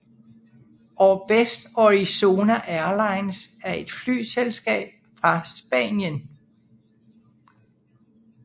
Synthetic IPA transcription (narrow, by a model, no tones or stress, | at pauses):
ɒb̥esd̥ɒʁiso̝ːnæʔæɐlɑ̈ɪnsæɐe̝d̥fly̰ːselsɡ̥ɛ̰ːb̥̚fʁɑ̈sb̥ɛ̰ːnjən